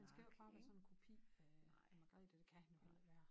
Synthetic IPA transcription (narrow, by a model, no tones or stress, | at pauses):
hænsɡ̥æjob̥ʰɑ̈ːʋæːɐsɒ̽nenkʰo̝pʰḭː | mɑɡ̥ʁɛ̰d̥ed̥e̝kʰæhænjo̝hel̰ɐʋæːɐ